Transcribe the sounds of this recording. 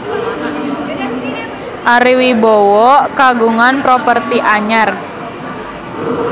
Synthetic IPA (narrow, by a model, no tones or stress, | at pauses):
ʔaɾiwibɔwɔkaɡuŋanpɾopərt̪iʔaɲar